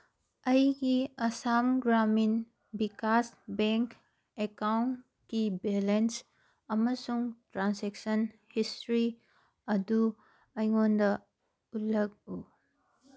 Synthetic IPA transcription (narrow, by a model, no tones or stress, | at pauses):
ɐjɡiɐsamɡɾamin | bikasbeŋk | ekawn | kibelens | ɐmɐsuŋtɾansek̚sɐn | histɾi | ɐdu | ɐjŋondɐ | utlɐk̚u